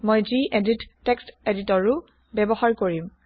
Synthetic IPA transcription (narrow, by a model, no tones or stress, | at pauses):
mojziʔeditːeksteditɔɹʊ | bɛbɔhaɹkoɹim